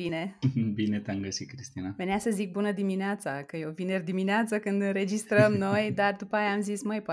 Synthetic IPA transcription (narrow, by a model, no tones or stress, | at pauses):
inebinet̪eamɡəsit̪̚kɾist̪inave̞neasəzik̚bunəd̪imineat̪sakəjewvinerd̪imineat̪sakɨnd̪ɨnɾe̞d͡ʒist̪ɾəmno̞jd̪ard̪upəajaːmzisməjpa